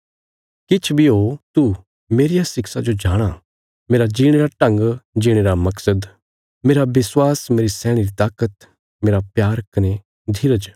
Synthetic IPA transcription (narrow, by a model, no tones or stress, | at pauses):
kɪt͡ʃʰbʱiɦot̪u | meːɾijasɪksad͡ʒod͡ʒaːɽ̃a | meːɾad͡ʒiːɽ̃eːɾaʈɐ̃ŋɡd͡ʒiːɽ̃eːɾamɐksəd̪ | meːɾabɪswaːsmeːɾisɛːɽ̃iɾit̪aːkət̪ | meːɾapjaːɾkɐne | d̪ʱɪɾəd͡ʒ